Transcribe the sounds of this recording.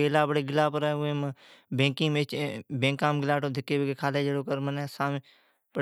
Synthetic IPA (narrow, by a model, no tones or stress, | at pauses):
eːlaːbəɽeːɡɪlaːpəɾaẽːmbẽːkĩːmet͡ʃbẽːŋkãːmɡɪlaːʈõːd̪ʱɪkːeːbekekʰaːleːd͡ʒeːɽoːkəɾməneːsãːmː | bə